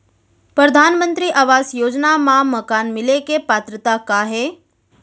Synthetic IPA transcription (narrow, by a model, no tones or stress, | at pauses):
pɾəd̪ʱaːnmə̃nt̪ɾiːʔaːʋaːsjoːd͡ʒnamãməkaːnmɪlekepaːt̪ɾət̪akaɦeː